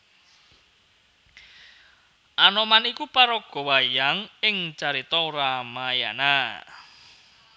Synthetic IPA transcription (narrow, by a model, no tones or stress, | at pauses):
ʔanɔmanikupaɾɔɡ̥ɔ̤wajaŋɪŋt͡ʃaɾit̪ɔramaja̰na